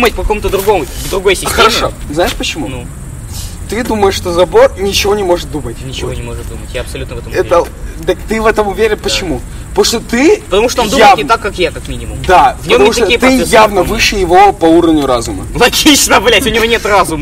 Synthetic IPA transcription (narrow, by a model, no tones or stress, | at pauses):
mət̚ʲpəkɐkomʊt̪əd̪ɾʊɡo̞mʊvd̪ɾʊɡo̞jsʲɪxəɾɐʂoznaɪʂpət͡ɕɪmunu | t̪ɨd̪uməjɪʂʂːt̪ozɐbo̞rnʲɪt͡ɕɪvo̞nʲɪmo̞ʐɨt̪̚d̪umətʲnʲɪt͡ɕɪvonʲɪmoʐɨt̪̚d̪umətʲjaɐpsɐlʲut̪əvɛt̪əmɛt̪ə | d̪akt̪ɨvɛt̪əmʊvʲeɾʲɪt̪̚pət͡ɕɪmu | p̪oʂt̪ot̪ɨpət̪ɐmuʂt̪oond̪ujavnʲɪt̪akːakjakɐkmʲinʲɪmʊ̰md̪avpnʲəoɐmuʂkɐt̪oijət̪ɨjavnəvɨʂɨjɪvo̞pɐuɾəvnʲʊɾazʊməlˠɐɡʲit͡ɕnəblʲætʲʊnʲɪvo̞nʲet̪razʊm